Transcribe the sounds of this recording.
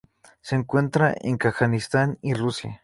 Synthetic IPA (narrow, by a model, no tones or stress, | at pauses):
seŋkwent̪ɾaʔḛŋkaxanist̪anirusja̰